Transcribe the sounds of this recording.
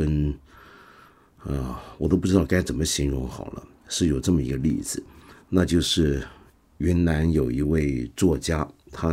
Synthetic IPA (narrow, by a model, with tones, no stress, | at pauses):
ə˥n | ə˧wɔ˨˩t̪o˥ʊpu˥˧ɻ̩˥ɑ˥˧˩ka˥ɪʈ͡ʂə˨˩nmə˦ɕi˧˥ŋɻʊ˧˥ŋxɑ˨˩ʊlʔə̰˦ | ʂɻ̩˥˩jo˨˩ʊʈ͡ʂɤ˥˩mə˩ḭ˧˥ɡə˧lḭ˥˩d͡zɹ̩˨˩na˥˧t͡ɕjo˥˧ʊʂɻ̩˥˩ | ɥɛ˧˥nna˧˥njo˨˩ʊi˧˥we˥˧ɪt͡swɔ˥˩t͡ɕja˥t̪ʰa˥